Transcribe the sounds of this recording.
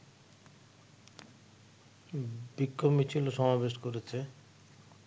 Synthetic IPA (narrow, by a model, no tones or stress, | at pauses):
bikːomit͡ɕʰiloʃɔmabeʃkoɾet͡ɕʰe